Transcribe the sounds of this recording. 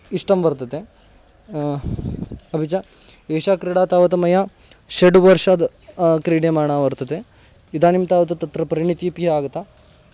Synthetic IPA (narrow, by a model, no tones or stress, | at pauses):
iʂʈɐmʋɐɾt̪ɐt̪e | ɐbʱit͡ʃa | eːʃaːkɾiɽaːt̪aːʋɐt̪ɐmɐja | ʃeɖʋɐɾʂaːd̪kɾiːɖjemaːɳaːʋɐɾt̪ɐd̪e | id̪aːnimt̪aːʋɐt̪ɐt̪ɐt̪ːɾɐpɐɾiɳit̪iːpiɦeaːɡɐt̪ːa